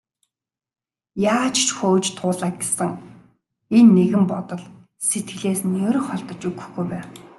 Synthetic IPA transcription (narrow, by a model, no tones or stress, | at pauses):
jaːt͡ɕʰt͡ɕxoːt͡ɕt̪ʰʊːɮaːk̚ɡesɘ̆ŋ | enːeɣɘ̆mpɔt̪ɞ̆ɮ | set̪̚ɡɘ̆ɮeːsnɵːɾ̆χɔɮt̪ɞ̆t͡ɕɵɣɵ̥̆xɡujpæːn